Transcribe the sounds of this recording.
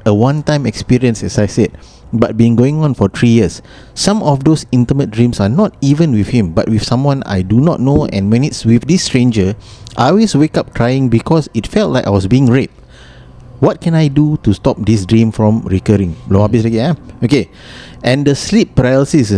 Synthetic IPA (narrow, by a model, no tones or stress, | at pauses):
əwãntãɪ̃mɛkspiɹiə̃nsɛsajsɛd̚ | bat̚biĩŋɡoĩŋɔ̃nfɔt̪ʰɹijiəsː | ãmɔfdosĩntəmət̚dɹĩmsanɔt̚ivə̃nwifhĩmba̰t̚wifsãmwɔ̃na̰jdunɔt̚noɛ̰̃nwɛ̃nitswifdistɹẽnd͡ʒəʔɔlweswekap̚kʰɹajĩŋbikʰɔsitfɛlt̚laɪka̰jwɔsbiĩŋɹet̚ | wɔt̚kɛ̃najdutustɔp̚disdɹĩmfɹɔ̃mɹikəɹĩŋloabisɹɛkiaoke | ʔɛ̃ndəslip̚pəɹaɛlsis